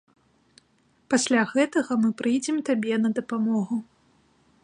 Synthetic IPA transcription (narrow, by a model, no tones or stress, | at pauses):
pasʲlʲaɣɛt̪ɐɣɐmɨpɾɨjd͡zʲɛmt̪abʲɛnɐd̪ɐpamɔɣu